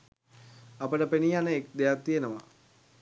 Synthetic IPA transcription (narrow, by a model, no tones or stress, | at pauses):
apəʈəpenijanəek̚d̪ejatt̪ːijenəʋa̰